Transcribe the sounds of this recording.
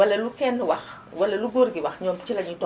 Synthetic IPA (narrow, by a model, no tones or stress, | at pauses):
wɐlɛlukɛnwɐx | wɐleluɡoɾɡiwɐxɲɔmt͡ʃilɐɲitɔ